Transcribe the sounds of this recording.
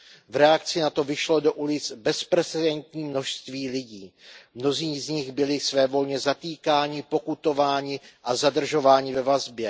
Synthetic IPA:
vɾɛak̚t͡sɪnat̪o̞vɪʃlo̞do̞ʔulɪt͡sbɛspɾɛt͡sɛdɛnt̪ɲiːmno̞ʃst̪viːlɪɟiːmno̞ziːzɲɪxbɪlɪsvɛːvo̞lɲɛzat̪iːkaːɲɪpo̞kut̪o̞vaːɲɪʔazadr̩ʒo̞vaːɲɪvɛvazbjɛ

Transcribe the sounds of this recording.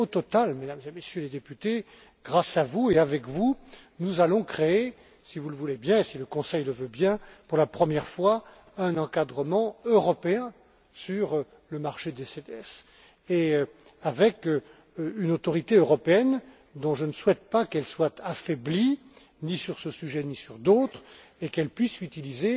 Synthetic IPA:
ot̪ɔt̪almed̪amzemesjøled̪epyt̪e | ɡʁasavueavɛkvunuzalɔ̃kχee | sivuləvulebjɛ̃esiləkɔ̃sɛjləvøbjɛ̃puʁlapχəmjɛʁfwa | ɛ̃nɑ̃kad̪ʁəmɑ̃øʁɔpeɛ̃ | syʁ | ləmaʁʃed̪esed̪eɛs | e | avɛk | ynot̪ɔʁit̪eøʁɔpeɛn | d̪ɔ̃ʒənəswɛt̪̚pakɛlswat̪afɛbli | nisyʁsəsyʒɛnisyʁd̪ot̪χekɛlpɥisyt̪ilize

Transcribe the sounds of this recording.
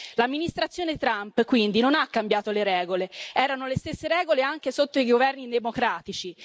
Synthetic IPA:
lamːinist̪ɾat̪sjoːnet̪ɾampkwind̪inonakːambjaːt̪oleɾɛːɡoleɛːɾanolest̪esːeɾɛːɡoleaŋk̟esot̪ːoiɡovɛrnid̪emokɾaːt̪it͡ʃi

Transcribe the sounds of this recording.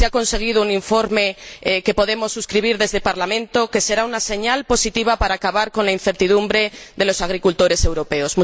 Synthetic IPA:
eako̞nse̞ɣ̞iðounĩɱfo̞ɾmeke̞po̞ðe̞mo̞sːuskɾiβ̞iɾðe̞zðepaɾlamẽnt̪oke̞se̞ɾaunase̞ɲalpo̞sit̪iβapaɾaːkaβaɾko̞nlainθe̞ɾt̪iðumbɾe̞ðelo̞saɣɾikult̪o̞ɾe̞se̞wɾo̞peozmũ

